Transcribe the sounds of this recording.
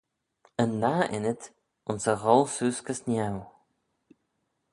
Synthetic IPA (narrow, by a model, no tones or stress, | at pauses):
ənːaːʔɪnət̪ | ʊnsəɣɔlˠsuːskəsnjaw